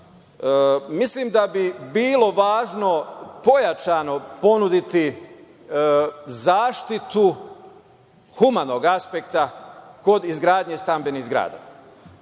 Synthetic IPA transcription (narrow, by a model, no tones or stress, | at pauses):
mislimd̪abibiːlo̞ʋaːʒno̞po̞jat͡ʃano̞po̞nud̪it̪i | zaːʃt̪it̪u | xumano̞ɡaspe̞kt̪ako̞d̪izɡɾaːd̪ɲest̪ambenizɡɾa̰ːd̪a̰